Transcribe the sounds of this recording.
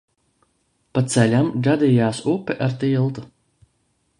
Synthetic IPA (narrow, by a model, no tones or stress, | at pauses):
pat̪sɛlʲamɡad̪iːjaːsupːɛʔaɾt̪ilˠt̪u̥